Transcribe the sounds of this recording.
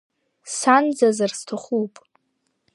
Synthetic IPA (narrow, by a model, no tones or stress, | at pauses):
sand͡zazarstʰaχupʼ